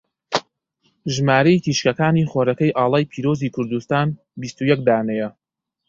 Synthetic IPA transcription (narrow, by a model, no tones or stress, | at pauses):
ʒmaːɾɐit̪ʰiːʃkɐkaːniːχoːɾɐkɐjʔaːlˠaːjpʰiːɾoːziːkʰʊɾd̪ust̪aːn | bist̪ujɛk̚d̪aːnɛjɛ